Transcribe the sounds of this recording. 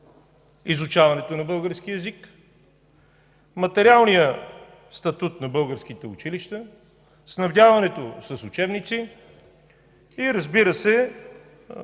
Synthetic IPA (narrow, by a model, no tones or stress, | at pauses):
izut͡ʃavɐnɛt̪onɐbɤlˠɡəɾskiəɛzik | mɐt̪ɛɾialˠnijə | st̪ɐt̪ut̪nɐbɤlˠɡəɾsk̟it̪ɛʊt͡ʃiliʃt̪ə | snɐvd̪ʲavɐnɛt̪osɐsʊt͡ʃɛbnit̪si | iɾəzbiɾəsɛ